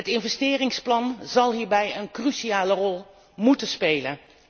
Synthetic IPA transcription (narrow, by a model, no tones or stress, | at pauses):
ətɪnvɛstɪːrɪŋsplɑnzɑlˠɦiːɹbɛjənkryʃiaːlərɔlˠ | mutənspejlən